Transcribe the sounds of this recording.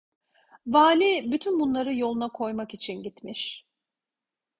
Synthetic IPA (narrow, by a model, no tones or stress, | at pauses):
vaːlʲibyt̪ʰynbunlˠaɾɯjo̞lˠunakʰo̞jmakit͡ʃʰinɟit̪miʃ